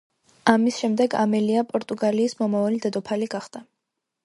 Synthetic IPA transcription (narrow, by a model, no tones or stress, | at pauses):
amisʃɛmd̪ɛɡa̰mɛliapʼɔɾt̪ʼuɡaliːsmɔmavalid̪ɛd̪ɔpʰaliɡaχd̪̥a